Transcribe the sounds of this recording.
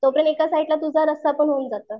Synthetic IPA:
t̪opɾənekasaiʈlat̪ud͡zʱaɾəst̪apəɳɦound͡zat̪əː

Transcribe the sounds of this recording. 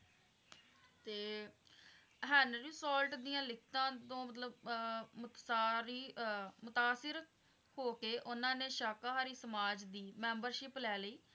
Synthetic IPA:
t̪eː | ɦənɾiːsɔːlʈd̪ijãːlɪkʰt̪ãːt̪õːmət̪̬ləbmt̪saːɾiːmʊt̪aːsɪɾ | hoːkeːʔʊnãːneːʃaːkaːɦaːɾiːsəmaːd͡ʒd̪iːmɛːmbəɾʃɪplɛːləiː

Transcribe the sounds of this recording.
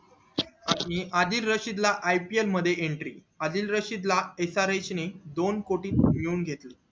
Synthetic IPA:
aɽ̃iʔad̪iːlɾəɕid̪laʔajpielməd̪ʱːjeʔeɳʈɾḭː | ad̪iːlɾəɕid̪laesaɾesned̪onkoʈiːt̪̚miuːnɡʱet̪le

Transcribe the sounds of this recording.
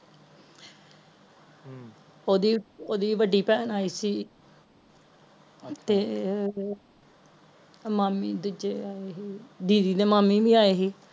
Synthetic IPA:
oːd̪iːoːd̪iːʋəɖiːpɛːnaːiːsiː | t̪eː | maːmiːd̪ʊd͡ʒeːaːeɦiːd̪iːd̪iːd̪eːmaːmiːbiːaːeːɦiː

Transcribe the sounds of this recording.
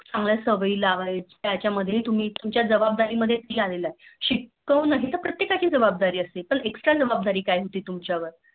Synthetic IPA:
t͡sãŋɡljasəʋiːlaʋəjt͡ɕjat͡ɕjaməd̪ʱːjet̪um̤iːt̪umt͡ɕjad͡zəbab̚d̪aɾiːməd̪ʱːjet̪iːalelaeɕikː | əwnaɦit̪əpɾət̪jekat͡ɕiːd͡zəbab̚d̪aɾiːəsepəɳeksʈɾad͡zəbab̚d̪aɾiːkajɦot̪iːt̪umt͡ɕjaʋəɾ

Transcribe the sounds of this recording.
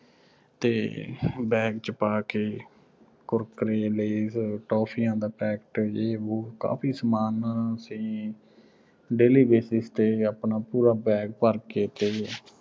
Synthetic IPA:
t̪eːbɛ̃ːkt͡ʃəpaːkeː | kʊɾkɾeːleːsʈɔːpʰijãːd̪aːpɛːkʈeːoːka̰ːpʰiːsmaːnəsĩː | ɖeːliːbeːsɪst̪eːaːpnaːpuːɾaːbɛ̃ːk̚pəɾkeːt̪eː

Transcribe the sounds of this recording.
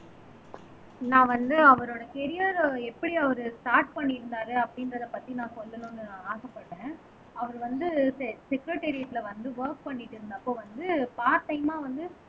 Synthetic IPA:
nãːʋɐnd̪ɯɐʋɐɾoːɽɐkɛɾɪjɐɾɛpːɐɽiɐʋɐɾɯsʈaːɾʈpɐɳːɪɾɯnd̪aːɾɯɐpːɐɽɪnɾɐðɐpɐt̪ːinãːsɔlːɐnʊ̃nːɯãaːsɐpːɐʈːẽː | ɐʋɐɾɯʋɐnd̪ɯsɛsɛkɾɐʈːeɾɪɐʈ̪ːɪlɐʋɐnd̪ɯʋɐɾk̚pɐɳːɪʈːɯɾɯnd̪aːpːoːʋɐnd̪ɯpaːɾʈːɐɪmaːʋɐnd̪ɯ

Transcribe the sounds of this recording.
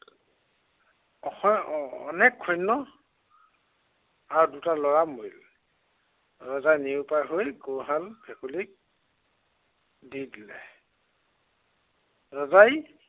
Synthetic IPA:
ɔ | ɔ̰nɛkʰːɔjnːɔ | aɹudutalɔɹamojl | ɹɔzajniupajɦojɡowɦalbʰɛkulik̚ | didilɛ̰ | ɹɔzaj

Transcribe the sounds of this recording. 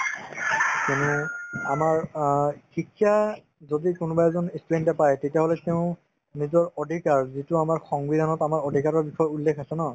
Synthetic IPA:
kinuamaɹxikʰːija | zodikʊnʊbajɛzɔnistudentɛpajtetijaɦolɛteʊ̃ | nizɔɹɔdʱikaɹzitʊamaɹxɔŋbid̪ʱanɔtamaɹɔdʱikaɹɔɹbixɔjulːekʰasɛnɔ

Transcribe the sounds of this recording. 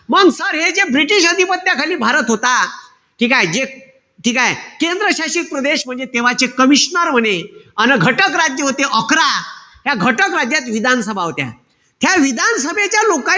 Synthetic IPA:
məɡsəɾɦed͡zebɾiʈiɕəd̪ʱipət̪ːjakʰaliːbʱaɾət̪ɦot̪a | ʈʰiːkajd͡ʑe | ʈʰiːkajkend̪ɾəɕaɕik̚pɾəd̪eɕm̤əɳd͡zet̪eʋat͡sekəmiɕnəɾm̤əneənəɡʱəʈəkɾad͡ʑjəɦot̪eʔəkɾaɦjaɡʱəʈəkɾad͡ʑjat̪ʋid̪ʱansəbʱaɦot̪ja̰ | t̪ʰjaʋid̪ʱansəbʱet͡ɕjaloka

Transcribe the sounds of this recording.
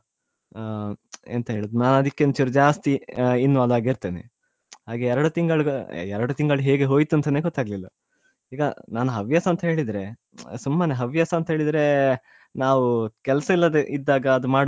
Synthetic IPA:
ḛnt̪ɐɦe̞ːɭud̪unaːnɐd̪ikːent͡ʃiɾd͡ʒaːst̪iinːuɐd̪aːɡiɾt̪eːnḛ | haːɡeɛɾɐɽut̪iŋɡɐɭɡɐɛɾɐɽut̪iŋɡɐɭɦeːɡe̞ɦo̞ːjt̪uɐnt̪ɐneːɡɔt̪ːaːɡlilːɐ | iːɡɐnaːnuɦɐʋjaːsɐːnt̪ɐɦe̞ːɭid̪ɾe̞ | sumːaːneɦɐʋjaːsɐːnt̪ɐɦe̞ːɭid̪ɾe̞ | naːʋukɛlɐsɐilːɐd̪eʔid̪ːaːɡɐːd̪umaːɽ

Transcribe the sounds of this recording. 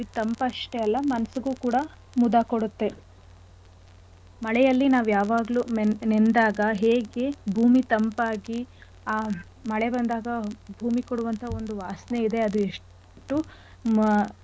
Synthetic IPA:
it̪ɐmpɐɐʂʈeɐlːɐmɐnɐsuɡuːkuːɽɐ | mud̪akoɽut̪ːe̞ | mɐɭɛjɐlːinaːʋujaːʋaːɡlunend̪aːɡɐɦeːɡe̞bʱuːmit̪ɐmpaːɡi | aː | mɐɭe̞bɐnd̪aːɡɐbʱuːmikoɽuʋɐnt̪ʰɐo̞nd̪uʋaːsne̞id̪e̞ɐd̪ueʂ | ʈu

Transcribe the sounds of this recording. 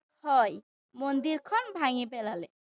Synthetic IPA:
hɔj | mond̪iɾkʰɔnbʱaŋipɛlalɛ

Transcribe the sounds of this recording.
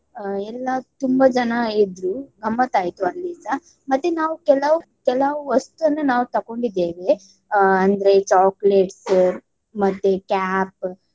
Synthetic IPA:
ɛlːɐt̪umbɐd͡ʒɐnɐid̪ɾuɡɐmːɐt̪aːjt̪uɐlːisɐ | mɐt̪ːenaːʋukɛlɐʋukɛlɐʋuɐst̪ɐnːɐnaːʋut̪ɐko̞ɳɖid̪ːeːʋe | ɐnd̪ɐɾet͡ʃaːkleʈsɐɾ | mɐt̪ːekaːp̚

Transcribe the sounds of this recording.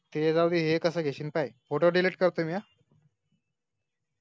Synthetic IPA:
t̪ed͡zawd̪iːɦekəsəːɡʱeɕiːnpajfoʈoɖileʈ̚kəɾt̪omia

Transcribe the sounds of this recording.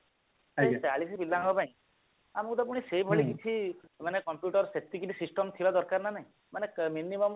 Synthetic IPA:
aseaɭisʰibilːaŋɡɔpãĩ | amut̪ɔpuɽ̃iseibʱɔɭikit͡ʃʰimanekɔmpjuʈɔɾset̪ikiʈisisʈɔmt̪ʰilɔd̪ɔɾkaɾnanaĩ | maneminimɔm

